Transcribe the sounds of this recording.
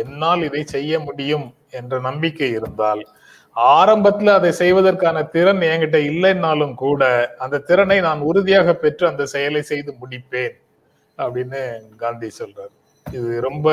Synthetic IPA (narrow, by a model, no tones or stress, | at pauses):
ɛnːaːlɪðɐɪsɛjːɐmʊɽɪjɯm | ɛndrɐnɐmbɪkːɐjɪɾɯnd̪aːl | aːɾɐmbɐt̪ːɪlɐðɐɪsɛjʋɐðɐrkaːnɐt̪ɪɾɐnɛŋɡɪʈ̬ːɐɪlːɐnːaːlɯmkuːɽɐɐnd̪ɐt̪ːɪɾɐnɐɪnaːnʊɾʊðɪjaːɣɐpːɛʈrɯɐnd̪ɐsɛjɐlɐɪsɛjðɯmʊɽɪpːeːn | ɐpːɐɽɪnːɯɡaːnd̪ijsɔlraːɾ | ɪðɯɾɔmbɐ